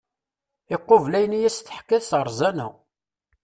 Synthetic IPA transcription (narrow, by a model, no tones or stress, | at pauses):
ɪqːovlæjənijæsθə̥ħkːæðsʁəɾˤzænṵ